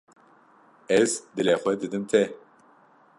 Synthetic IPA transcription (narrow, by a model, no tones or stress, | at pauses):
ɛzd̪ɨlɛxʷɛd̪ɨd̪ɨmt̪ʰɛ